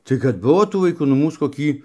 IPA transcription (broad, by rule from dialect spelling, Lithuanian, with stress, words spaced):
tɐɪ kɐt ˈbʊʋoː tuː ʋɐɪˈkuː nʊ ˈmuːs koːˈkʲiː